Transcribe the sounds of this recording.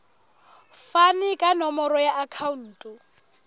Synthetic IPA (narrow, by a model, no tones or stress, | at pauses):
fanɪkʼanɔmɔɾɔjaʔakʰaun̩ːtʼɔ